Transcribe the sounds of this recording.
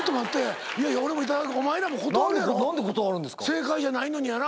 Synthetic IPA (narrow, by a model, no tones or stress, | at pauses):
t̪ːomat̪ːe̞ | iaijao̞ɾe̞mo̞it̪̬ad̪akɯomaeɾamo̞ko̞t̪oaɾenãnd̪ekot̪oaɾɯ̟̃nd̪eskse̞ːkaiʑanaino̞ɲ̟iana